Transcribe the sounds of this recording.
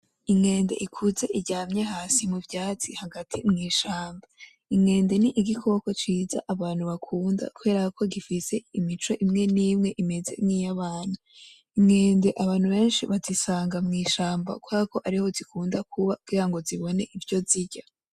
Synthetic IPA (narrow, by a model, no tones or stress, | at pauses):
imŋe̞ːnde̞̰ʔikʰuze̞ʔiɟaːmɲeɦaːsimuvjaːt͡sihaɡatʰimŋiːʃaːmba | iŋe̞ːnde̞niʔiɡikʰookot͡ʃiːza̰ʔaβaːn̥huβakʰuːnda̰kuβe̞ːɾaakʰo̞ɡifise̞imit͡ʃo̞ʔimŋe̞niːmŋe̞ʔime̞ze̞̰mŋijaβaːn̥a | imŋe̞ːnde̞ʔaβaːn̥uβe̞ːnʃiβazisaːŋɡamŋiːʃaːmba̰kwaːko̞ʔaɾiho̞zikʰuːndakʰuβaɡ̚ɡiːɾaŋɡo̞ziβo̞ne̞ʔivjo̞ziɟa